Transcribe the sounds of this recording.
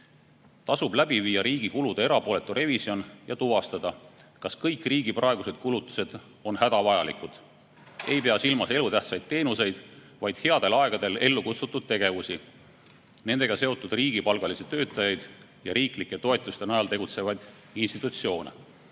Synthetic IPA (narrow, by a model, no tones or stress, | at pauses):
t̪ɑsub̥læb̥iviːɑɾiːɡ̥ikulud̪̥ɑe̞ɾɑpo̞ːle̞t̪ːˑuɾʔe̞visio̞njɑt̪uvɑst̪ɑd̪̥ɑkɑskɤjkːˑriːɡiprʔɑe̞ɡuse̞d̪̥̚kulut̪ːˑu̥se̞d̪̥ | o̞nhæd̪̥ɑvɑjɑlḭkud̪̥ | e̞jpe̞ɑsilmɑse̞lut̪æht̪sɑjd̪̥̚t̪e̞ːnuse̞jd̪̥ | vɑjd̪̥he̞ɑd̪̥e̞lɑeɡ̥ɑd̪e̞le̞lːukut̪sut̪ːˑud̪̥̚t̪e̞ɡ̥e̞vusi | ne̞nd̪̥e̞ɡ̥ɑse̞o̞t̪ːˑud̪̥riːɡ̥ipɑlɡ̥ɑliset̪ø̞ːt̪ːˑɑjɑjd̪̥ | jɑɾʔiːklikːˑe̞t̪o̞e̞t̪ːˑust̪e̞nɑjɑlt̪e̞ɡut̪se̞vɑjd̪̥ | inst̪it̪ːˑut̪sio̞ːnḛ